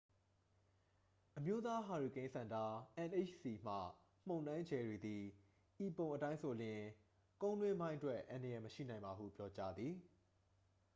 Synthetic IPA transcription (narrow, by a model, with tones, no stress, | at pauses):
ʔəmjo˦t̪a˦ɦa˨ɹu˨kẽ˦sã˨nda˦ʔã˨nʔe˦˨t͡ʃsi˨m̥ä̰˦˨ | m̥õ˨nã˦ɪ̃ɲd͡ʑɛ˨ɹwe˨d̪i˨ | ʔi˨põ˨ʊ̃ʔətã˦ɪ̃nso˨lɪ̃˨ | kõ˦ʊ̃nlwɪ̃˦mbã˦ɪ̃ʔtwɛ˦ʔã˨ndəjɛ˨məʃḭ˦˨nã˨ɪ̃mba˨ɦṵ˦˨pjɔ˦t͡ɕa˦d̪ði˨